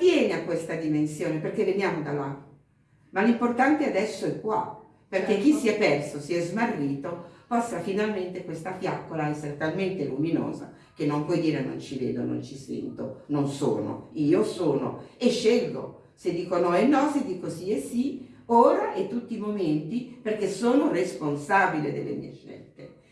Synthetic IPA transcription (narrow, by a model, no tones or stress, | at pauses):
vjɛːneakwest̪ad̪imensjoːneperkːevenjaːmod̪ala | malimport̪ant̪ead̪ɛsːoɛkːwa̰ | perk̟ek̟ːisːiɛpːɛrsosiɛzmarːiːt̪opasːafinalment̪ekwest̪afjakːolaɛsːeɾet̪alment̪elumino̰ːza̰ | k̟enːompwɔjd̪iːɾeno̰nt͡ʃivḛːd̪ono̰nt͡ʃisɛ̰nt̪ononso̰ːno̰iːosoːno̰eʃːelɡo̰ | sed̪ːiːkonɔenːɔsed̪iːkosiesːioːɾaʔɛt̪ːut̪ːiːmoment̪iperk̟esoːnoresponsaːbiled̪ḛlːḛmḭeʃɛ̰lt̪e